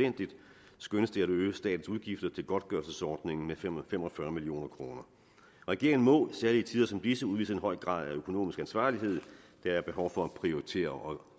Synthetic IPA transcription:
en̰d̥id̥sɡ̥ønəsd̥e̝æɾøːsd̥ɛ̰ːd̥n̩suðˠɡ̥ifd̥ɐt͡sʰe̝lɡ̥ɒ̽d̥̚ɡ̥ɶɐlsəsɒːd̥ne̝ŋn̩mefem̰ɒfɶɐmilio̝̰ːnɐkʰʁo̝ːnɐ | ʁɛɡ̥e̝ɐŋn̩mɔ̰̽sæɐliːət͡sʰiːð̞ˠɐsɒ̽mb̥lisəuðˠʋḭːsɐenɦɒ̽ɪ̰ɡ̥ʁɑ̰̈ːðˠæøkʰo̝no̝̰ːmisɡ̥ænsʋɑ̰̈ːliɦe̝ð̞̰ˠd̥ææɐb̥e̝ɦɒʊfɒ̽æpʰʁioʁit͡sʰe̝̰ːɐʔɒ̽

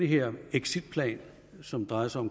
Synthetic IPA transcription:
eɦeɐ̰eɡ̥sid̥̚pʰlɛ̰ːn | sɒ̽md̥ʁɑ̈ɪɐsäɒ̽m

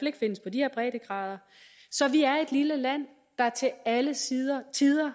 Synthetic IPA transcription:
le̝ɡ̥əfe̝n̰əspʰɒ̽d̥ihɛɐ̰b̥ʁɛ̰ːd̥əɡ̥ʁɑ̰̈ːðˠɐ | sɒ̽ʋiæɐe̝d̥liləlæn̰ | d̥ɑ̈t͡sʰe̝æləsiɐt͡sʰiðˠɐ

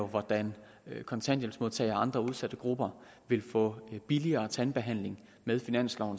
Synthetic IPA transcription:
oʋɒd̥æn | kʰɒ̽nt͡sʰæn̰d̥jensmo̝ð̞ˠt͡sʰɛ̰ɪ̰ɐɑ̈nd̥ʁɐuð̞ˠsæd̥əɡ̥ʁub̥ɐ | ʋe̝lfɔ̰̽ːb̥iliɐːt͡sʰænb̥e̝ɦæn̰le̝ŋ | með̞ˠfinæn̰slɒʊ̰n̩

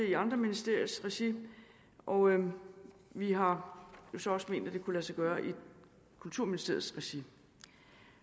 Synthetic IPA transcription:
eiɑ̈nd̥ʁɐminisd̥e̝ɐ̰isʁɛɕi | ʔɒ | ʋiɦɑ̈jo̝sɒ̽ɒ̽sme̝̰ːnd̥æd̥e̝kʰulæsɑɡ̥ɶːɐʔi | kʰult͡sʰuɐ̰minisd̥e̝ɐ̰ð̩ˠsʁɛɕi

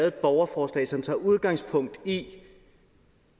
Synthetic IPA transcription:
ðdb̥ɒʊɐfɒːslɛ̰ːsɒ̽mt͡sʰɑ̈uð̞ˠɡ̥ɑ̈ŋspʰɔ̽ŋ̰d̥i

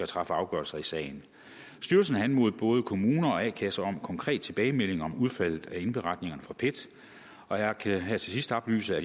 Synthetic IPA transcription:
æt͡sʰʁɑ̈fəɑ̈ʊɡ̥ɶɐlsɐisɛ̰ːɪn | sd̥yɐls̬n̩ɦænmo̝ðˠb̥ɔ̽ːð̞ˠəkʰo̝muːnɐɒ̽ækʰæsɐɒ̽mkʰɒ̽ŋkʰʁɛ̰ːd̥̚t͡sʰe̝b̥ɛːɪmel̰e̝ŋɒ̽muð̞ˠfæl̰ð̩ˠæe̝nb̥e̝ʁɑ̈d̥ne̝ŋɐnəfʁɑ̈pʰe̝d̥ | ɒ̽jɑkʰæɦæt͡sʰe̝sisd̥ɒ̽b̥ly̰ːsəæ

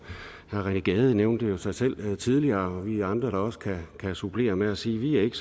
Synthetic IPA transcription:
hæɐʁɛnəɡ̥ɛːð̞ˠəneʊnd̥əjo̝sɑ̈ɪsel̰t͡sʰið̞ˠliɐːɒ̽ʋiæɑ̈nd̥ʁɐɾ̥ɑ̈ɒ̽sə̥kʰækʰæsub̥ʰle̝̰ːɐmeæsiːʋiæɐe̝ɡ̥əs

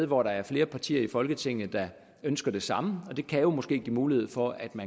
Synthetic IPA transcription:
ðˠʋɒɾɑ̈æɐfle̝ːɐpʰɑ̈t͡sʰḭːɐifɒ̽lɡ̥ət͡sʰe̝ŋ̰n̩ˠd̥ɑ̈ | ønsɡ̥ɐd̥e̝sɑ̈məɒ̽d̥e̝kʰæjo̝mɒ̽sɡ̥e̝̰ːɡ̥iːmuːlihe̝ð̞̰ˠfɒ̽æd̥mæ

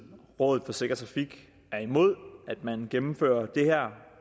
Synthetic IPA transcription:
ʁɔ̽ːðð̩ˠfɒ̽se̝ɡ̥ɐt͡sʰʁɑ̈fiɡ̥ | æɐimo̝ð̞̰ˠæd̥mænɡ̥emm̩fø̰ːɐd̥e̝hæɐ̰

